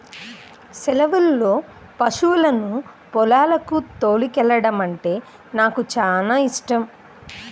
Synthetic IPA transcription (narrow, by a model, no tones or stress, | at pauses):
sɛlɐʋɐlːo̞ː | pɐʂuʋulɐnu | pɔlaːlɐkut̪o̞ːɭikɛlːɐɽɐmɐɳʈe̞ː | naːkut͡ʃaːnaːiʂʈɐm